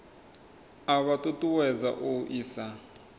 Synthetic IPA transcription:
aβatʼutʼuwɛza̰ʔoʔiːsa

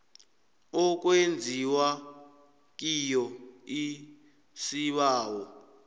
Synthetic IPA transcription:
ɔk̬wend͡zʱiwa | kijɔi | siβaːwɔ

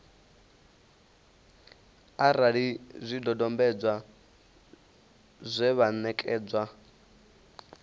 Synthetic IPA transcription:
aɾaɺizʷidɔdɔmbɛd͡zwa | zʷɛβanɛkʼɛːd͡zwa

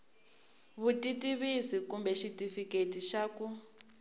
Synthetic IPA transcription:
βutitiβisikumbɛʃitʼifiketiʃaːku

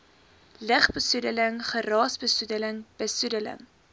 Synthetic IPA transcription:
ləχbəsudələŋχəɾɑːsbəsudələŋb̥əsudələ̰ŋ

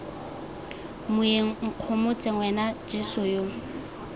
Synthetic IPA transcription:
mʊeŋ̩ŋ̩q͡χʰʊmʊt͡sʼeŋwɛnad͡ʒɪsʊjo

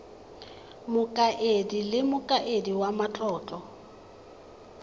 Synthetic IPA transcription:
mʊkʼaʔedilɪmʊkʼaʔediwamat͡ɬʼɔːt͡ɬʼɔ

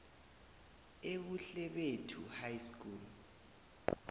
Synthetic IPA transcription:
eβuɬɛɓetʰuhajskʰʼuːl

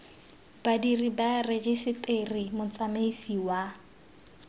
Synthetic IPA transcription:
b̥adiribared͡ʒɪsɪterimʊt͡sʼameisiwa

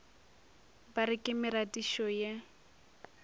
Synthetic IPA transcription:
baɾɪkʼɪmɪɾadiʃɔje

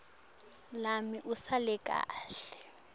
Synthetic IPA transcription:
lamiʔusalɛkʼa̰ːɬɛ̥

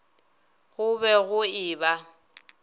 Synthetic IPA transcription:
ɣʊbɛɣʊɪːba

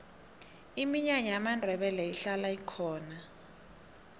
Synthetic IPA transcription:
imiɲaɲɛamandʱɛɓɛlɛiɬalaikʰɔːna

